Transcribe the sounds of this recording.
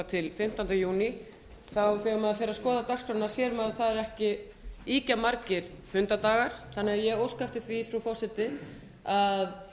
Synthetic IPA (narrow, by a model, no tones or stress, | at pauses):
t̪ʰɪlfɪm̥t̪ant̪ɪjuːni | θawθɛɣamɛðafɛːɾaskɔːðat̪askɾanːḁsjɛːɾʏmaðθaðɛɾɛhcɪ | iːcamaɾcɪɾ̥fʏnt̪at̪aːɣaɾ̥θanːɪaðjɛɣowskaft̪ɪθvifɾufɔsɛt̪ɪ | að